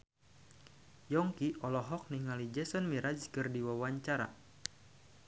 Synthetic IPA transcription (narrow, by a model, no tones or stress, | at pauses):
jɔŋkiʔɔlɔɦɔk̚niŋalid͡ʒɛsɔnmiɾad͡ʒkɨrdiwawaɲt͡ʃaɾa̰